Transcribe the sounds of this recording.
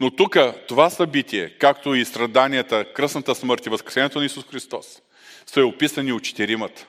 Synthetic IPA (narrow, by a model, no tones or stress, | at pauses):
not̪ukət̪ovasɐbit̪ʲiɛkakt̪oist̪ɾɐd̪anijət̪əkɾɤsnət̪əsməɾt̪ivəskɾɛ̥sɛnɛt̪onɐisusxɾist̪ɔsː | ɛopisəniot̪t͡ʃɛ̥t̪ɛɾimət̪